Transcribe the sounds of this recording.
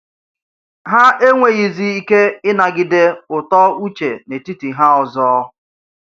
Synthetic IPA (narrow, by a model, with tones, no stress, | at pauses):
ɦa˦e˦ŋʷe˨ɣi˨zi˦i˦ke˦ɪ˦na˨ɡɪ˦de˦ʊ˨tɔ˦u˦t͡ʃe˨ne˨ti˦ti˨ɦa˦ɔ˨zɔː˦